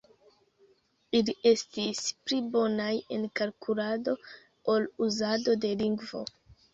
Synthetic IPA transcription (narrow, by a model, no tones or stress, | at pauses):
iliʔe̞stisplibo̞naje̞nkalkʰulado̞ | oluzado̞de̞liŋɡvo̞̰